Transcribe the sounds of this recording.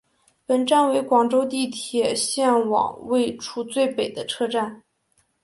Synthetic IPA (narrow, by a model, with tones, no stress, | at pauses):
pə˨˩nʈ͡ʂa˥˩nwe˧˥ɪkwɑ˨˩ŋʈ͡ʂo˥ʊt̪i˥˩t̪ʰjɛ˨˩ɕjɛ˥˩nwɑ̰˨˩ŋwe˥˧ɪʈ͡ʂʰu˥t͡swe˥˩ɪpe˨˩ɪd̪ə˦ʈ͡ʂʰɤ˥˧ʈ͡ʂa˥˩n